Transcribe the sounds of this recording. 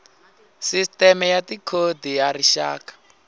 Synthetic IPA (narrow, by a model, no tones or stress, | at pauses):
sistɛmɛjatikʰodijariʃa̰ːkḁ